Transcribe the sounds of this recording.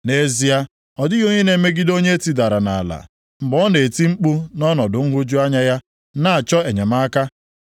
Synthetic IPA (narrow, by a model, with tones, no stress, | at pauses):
ne˦zi˦a˦ | ɔ˨dɪ˦ɣo˦ɲe˦ne˨˦me˦ɡɪ˦do˦ɲe˦ti˦da˨ɾa˨na̰˨la̰˨ | ŋ͡m̩˨ɡ͡bɔ˦ne˨ti˦ŋ͡m̩˦k͡pu˦nɔ˦nɔ˨dʊ˨ŋ̩˦ɦʊ˦d͡ʒu˦a˦ɲa˦ja˦ | na˦˨a˨t͡ʃɔ˦e˨ɲe˨ma˦ka˦